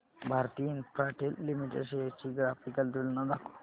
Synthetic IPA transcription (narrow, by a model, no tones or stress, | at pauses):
bʱaɾt̪iinpɾaʈelːimiʈḛɖʃet͡ʃiɡɾafikɐld̪ulnɐd̪akʰ